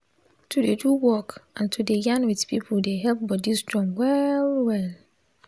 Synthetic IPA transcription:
tʰudeduwɔkãntʰudejãnwidpʰipʰuldeɦɛlp̚bɔdizdɔ̃mwɛlwɛl

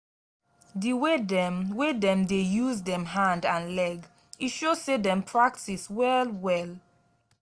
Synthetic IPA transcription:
diwedwedɛ̃mdejuzdɛ̃mɦãndãnlɛɡ | iʃo̥sedɛ̃mpʰɹak̚tiswɛlwɛl

